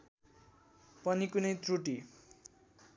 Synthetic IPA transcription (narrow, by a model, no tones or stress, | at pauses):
pʌnikunʌjt̪ruʈi